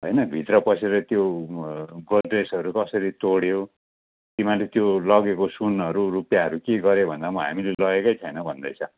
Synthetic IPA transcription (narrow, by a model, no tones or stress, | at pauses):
ɦʌjnʌbʱit̪rʌpʌsʰeɾʌt̪jo | ɡodresʌɾukʌsʌɾit̪oɽjo | t̪imãlet̪jolʌɡekosunʌɾurupjaɦʌɾukeɡʌɾjebʱʌnd̪amʌɦa̰milelʌɡekʌjt͡sʰʌjnʌbʱʌnd̪ʌjt͡sʰʌ